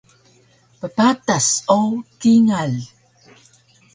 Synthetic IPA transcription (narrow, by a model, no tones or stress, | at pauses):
pəpat̪asokiŋal